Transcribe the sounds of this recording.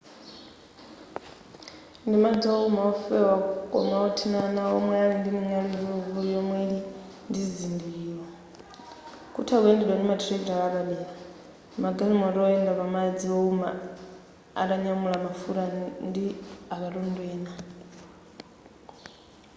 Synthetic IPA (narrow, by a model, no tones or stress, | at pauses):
ndimad͡ziɔumaɔfɛwakʼɔ̰maɔtʰinanaɔmwɛaɺindimiŋaliɔβujɔmweli | ndizindiiːɺɔ | kutʰakwendɛɗwandimadɾɛktaɺaβaɗila | maɡalimaɾɔɛndaβamad͡ziɔuma̰ | a̰ɗaɲamulamafuɾandiaβaɺundwɛːna